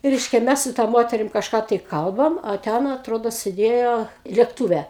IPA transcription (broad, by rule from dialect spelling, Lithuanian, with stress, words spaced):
ˈrʲɛɪʃʲkʲɛ ˈmʲɛs sʊ tɐ ˈmoːtʲɛrʲɪm kɐʃˈkɑː tɐɪ ˈkɐlˠbɐm ɐ ˈtʲɛn ɐtˈroːdoː sʲɪˈdʲeːjoː lʲeːkˈtuːʋʲɛ